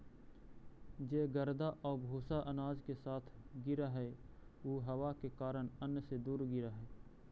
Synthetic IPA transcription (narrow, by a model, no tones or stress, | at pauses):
d͡ʒeːɡəɾd̪aʔɔːbʱoːsaʔənaːd͡ʒkesaːt̪ʰɡɪɾaɦɛːoːɦɐwakekaːɾəɳənːsed̪uːɾɡɪɾaɦɛː